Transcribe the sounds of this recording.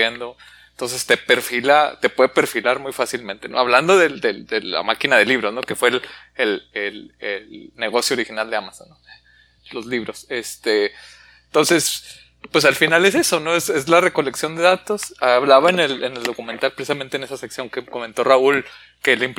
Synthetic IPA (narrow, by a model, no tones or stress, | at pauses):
end̪o̞ | ent̪o̞ns̬e̞st̪e̞pe̞ɾfilat̪e̞pwe̞ðepe̞ɾfilaɾmujfasilmẽ̞nt̪e̞no̰aβland̪o̞ðe̞ld̪eld̪ela̰makinaðe̞liβ̞ɾo̞zno̞ke̞fwe̞lelelelne̞ɣ̞o̞sjooɾixinald̪eamasonːo | lo̞zliβ̞ɾo̞sest̪e | t̪o̞nse̞s | pwe̞s̬alfinale̞s̬e̞so̞no̞ese̞zlareko̞le̞ksjo̞nd̪e̞ðat̪o̞saβlaβaenelene̞ld̪o̞kument̪alpɾesisament̪ene̞saseksjoŋkeko̞ment̪o̞raul | kelimp